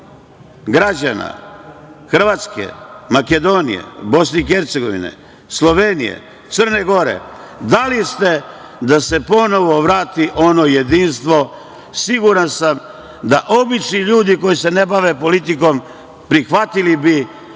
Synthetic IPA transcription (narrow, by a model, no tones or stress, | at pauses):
ɡɾad͡ʑana̰ | xr̩ʋaːt̪skḛmake̞d̪o̞nḭjḛbo̞sneixe̞ɾt̪se̞ɡo̞ʋḭnḛ | slˠo̞ʋenḭjḛ | t̪sər̩neɡo̞ɾḛ | d̪alist̪e̞ | d̪ase̞po̞no̞ʋo̞ʋɾaːt̪iʔo̞no̞je̞d̪inst̪ʋo̞ | siɡuɾansam | d̪aʔo̞bit͡ʃniʎuːd̪iko̞jise̞ne̞baʋe̞po̞lit̪̬iko̞m | pɾixʋat̪ilibi